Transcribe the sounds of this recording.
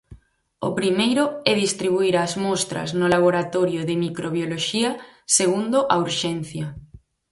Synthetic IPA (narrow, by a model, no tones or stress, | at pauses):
o̰pɾimejɾʊɛðist̪ɾiβuiɾaːzmost̪ɾa̰znʊlaβ̞oɾat̪oɾjoðɪmikɾʔoβ̞joloʃiɐseɣund̪ʊʔauɾʃenθja